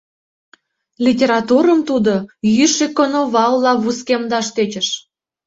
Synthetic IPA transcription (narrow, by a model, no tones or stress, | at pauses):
lʲitʲeɾɑt̪uɾəmt̪ud̪ojyʃekːonoβɑlːɑβuskemd̪ɑʃt̪et͡ɕə̆ʃ